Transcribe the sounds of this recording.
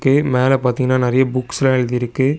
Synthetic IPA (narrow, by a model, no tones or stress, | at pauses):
kːɯmeːlɐpaːɾt̪iŋɡɐnːaːnɪɾɐjɐbʊkːsɪlãːɛɭɯðɪɪɾɯkːɯ